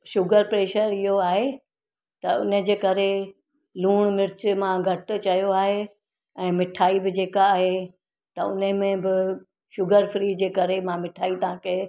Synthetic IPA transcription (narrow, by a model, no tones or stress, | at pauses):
ʃʊɡəɾpɾeːʃəɾɪɦoaːɦe | t̪ɐʊ̰nəd͡ʑeːkɐɾe | luːɽ̃mɪɾt͡ɕɪmãɡʱɐʈʊ̆t͡ɕɐjoaːɦe | ɛ̃ːmɪʈʰaːibɪd͡ʑeːkaːɦe | t̪ɐʊ̰nəmẽbɪ | ʃʊɡəɾfɾiːd͡ʑeːkɐɾemãmɪʈʰaːit̪ɐãkɐe